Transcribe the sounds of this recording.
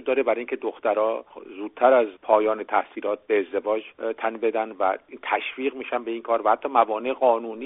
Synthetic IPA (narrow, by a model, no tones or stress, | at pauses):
ud̪ɒːɾebæɾiŋcʲʰe̞d̪oxt̪æɾɒːzuːd̪̥̚t̪ʰæɾæzpʰɒːjɒːnet̪ʰæhsiːlɒːt̪̚beːzd̪e̞vɒːd͡ʒt̪ʰænbe̞d̪ænvæ̰t̪ʰæʃviːɣmiːʃænbe̞iːnkʰɒːɾvæhæt̪ːɒːmævɒːneʔɣɒːnuːniː